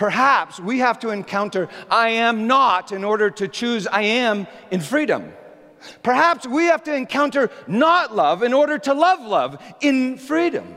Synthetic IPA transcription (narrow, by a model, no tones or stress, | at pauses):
pʰə˞ɦæpswihæftəɨ̃nkʰãʊ̃ntə˞ʔaɪɨ̃mnəɾɨ̃nɔɹɾə˞ɾɨt͡ʃʰʉzaɪɨ̃m | ɨ̃nfɹiɾə̰̃m | pʰə˞ɦæpswihæftɨɨ̃nkʰãʊ̃ntə˞nətˡlʌvɨ̃nɔɹɾə˞ɾəlʌvlʌvɨ̃nfɹiɾɨ̰̃m